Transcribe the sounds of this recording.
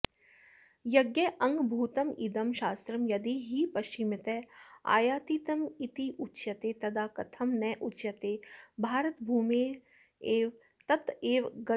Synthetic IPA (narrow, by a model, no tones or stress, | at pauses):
jɐɡjɐʔɐ̃ŋɡbʱuːt̪ɐmḭd̪ɐmʃaːst̪ɾɐmjɐd̪iɦipɐʃt͡ʃɪmɪt̪ea̰ːjaːt̪iːt̪ɐmit̪iʔʊtːʃjɐt̪eːt̪ɐd̪aːkɐt̪ʰɐmnɛːʔʊtːʃjɐt̪eːbʱaːɾət̪bʱuːme | eːʋ | t̪ɐt̪eːʋɡɐ